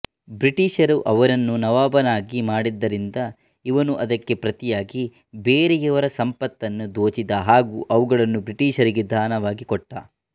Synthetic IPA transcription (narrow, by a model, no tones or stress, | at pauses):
bɾiʈiːʃɐɾuʔɐʋɐɾɐnːunɐʋaːbɐnaːɡimaːɽid̪ːɐɾind̪ɐ | iʋɐnuʔɐd̪ɐkːe̞pɾɐt̪ijaːɡi | beːɾejɐʋɐɾɐsɐmpɐt̪ːɐnːud̪oːt͡ʃid̪ɐɦaːɡuːʔɐʋuɡɐɭɐnːubɾiʈiːʃɐɾiɡe̞d̪ʱaːnɐʋaːɡikɔʈːɐ̰